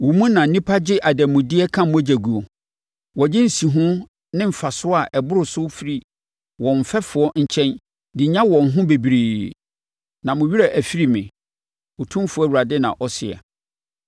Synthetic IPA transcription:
wɔ˨mũ˦nã˨n̩˦nĩ˦pʰa˦d͡ʑɪ˦ʔa˨dɛ˨mʊ̃˨dɪ˦ɛ˦kʰã˦mʊ̃˦æ˦d͡ʑæ˨ɡu˨ɔ˨ | wɔ˨d͡ʑɪ˦n̩˨si˨ɦʊ̃˦ | nɪ̃˦m̩˨fa˨sʊ˦a˨ʔɛ˨bʊ˦ɾʊ˨sʊ˦fi˦ɾi˦ | wɔ̃˨m̩˨fɛ˦fʊ˨ɔ˦ɲ̩˨t͡ɕʰɛ̃˦n | dɪ˨˦ɲã˦wɔ̃˨n̩˨ɦʊ̃˦be˨bi˨ɾeː˨ | nã˨mʊ̃˨ɥi˦ɾɛ˦˨ʔæ˨fi˦ɾi˦mɪ̃˨ | ɔ˨tʰũ˦fʊ˨˦æ˦wu˨ɾa˨dɪ˦nã̰˨ʔɔ˦sɪ˨ɛ̰˨

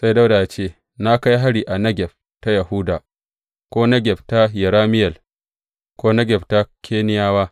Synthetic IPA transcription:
sa˦jda˦wdaː˨ja˨t͡ʃeː˦˨ | na˦ka˦jɦa˦ɽiː˨ʔa˨nɐ˦ɡʲɛ˨ɸ̚ | ta˦ja˨hu˦daː˨ | kʷoː˦nɐ˦ɡʲɛ˨bta˦jɛ˨ɾaː˦mɪ˦jɛ˨l | kʷoː˦nɐ˦ɡʲɛ˨bta˦kʲʰeː˦nɪ˦jaː˦waː˦

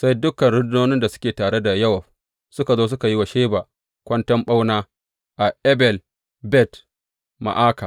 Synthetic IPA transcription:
sa˦jdʊ˦kɐ˨nɽʊ˦dnoː˦nɪ˦nda˨sʊ̥˦kʲeː˨taː˨ɽe˦da˨jɐ˦wɐ˨ɸ | sʊ˦ka˨zoː˦s̬ʊ˦ka˨ji˦wa˨ʃeː˦ba˨ | kʷɐ˦ntɐ˦mɓa˦wnaː˦ | ʔa˨ʔɛ˦bɛ˨l | bɛ˦t | ma̰˨ʔaː˦ka˨

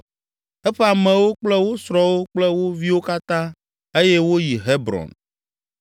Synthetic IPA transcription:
ɛ˦ɸɛ˦a˨mɛ̃˨wo˦k͡plɛ˦wo˦sɾɔ˨wo˦k͡plɛ˦wo˦vi˦wo˦ka˦t̪ã˦ | e˦jɛ˦wo˦ji˨ɦe˦bɾɔ̰̃˨n

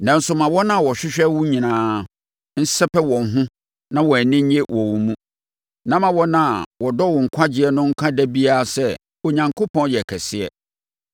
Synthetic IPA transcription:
nã˨n̩˦sʊ˨mã˨wɔ˦nã˦˨wɔ˨ɕᶣɪ˦ɕᶣɛ˦wʊ̃˦ɲĩ˨nãː˨˦ | n̩˦sɛ˦pɛ˦wɔ̃˨n˨ɦʊ̃˦ | nã˦wɔ˨nɪ̃˦ɲẽ˦wʔɔ˨wũ˨mũ˦ | nã˦mã˨wɔ˦nã˦a˨wɔ˨dɔ˦wɔ˨ŋ̩˨kʰa˦d͡ʑɪ˦ɛ˨nʊ̃˦ŋ̩˦kʰã˦dɛ˦bi˦a˦˨sɛ˦ | o˨ɲã˨ŋkʰo˦pʰɔ̃˦njɛ˨kʰɛ˨sɪ˦ɛ˨

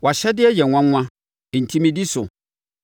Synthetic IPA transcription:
wa˨ɕɛ˦dɪ˦ɛ˦jɛ˨ŋʷã˦ã˦˨ | n̩˨tʰĩ˦mĩ˦di˦sʊ˨

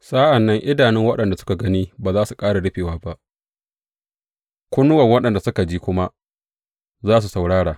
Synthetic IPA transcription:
sʼa˦ʔa˨nːɐ˦ŋʔɪ˦daː˨nɪ˦ŋwɐ˦ɗɐ˨nda˨sʊ̥˦ka˨ɡɐ˦niː˦baː˨zaː˦su˨kʼaː˦ɽa˨ɽɪ˦ɸeː˨waː˦ba˦ʔ | kʷʊ˦nʊ˦wɐ˨ŋwɐ˦ɗɐ˨nda˨sʊ˦ka˨d͡ʒiː˦kʷʊ˦ma˦ | zaː˦s̬u˨sa˨wɽaː˦ɽaː˨

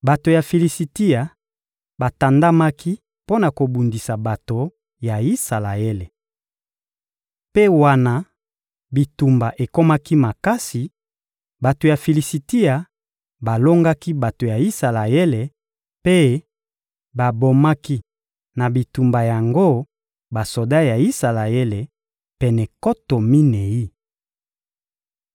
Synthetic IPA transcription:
ba˨to˨ja˨fi˨li˨si˨ti˦ja˨ | ba˨ta˨nda˦ma˦ki˦ | po˦na˨ko˨bu˨ndi˨sa˨ba˨to˨ | ja˨i˦sa˨la˨e˦le˨ | pe˦wa˦na˨ | bi˨tu˨mba˨ʔe˨ko˦ma˦ki˦ma˨ka˦si˨ | ba˨to˨ja˨fi˨li˨si˨ti˦a˨ | ba˨lo˦ŋɡa˦ki˦ba˨to˨ja˨i˦sa˨la˨je˦le˨ | pe˦ | ba˨bo˨ma˦ki˦ | na˨bi˨tu˨mba˨ja˨ŋɡo˦ | ba˨so˨da˦ja˨i˦sa˨la˨je˦le˨ | pɛ˨nɛ˨ko˦to˨mi˦ne˨ji˦

